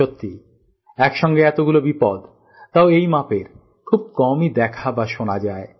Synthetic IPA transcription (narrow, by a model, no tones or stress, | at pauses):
ot̪ːi | ɛkʃɔŋɡeɛt̪oɡulobipɔd̪ | t̪ːaoejmapeɾ | kʰub̚kɔmid̪ɛkʰabaʃonad͡ʑae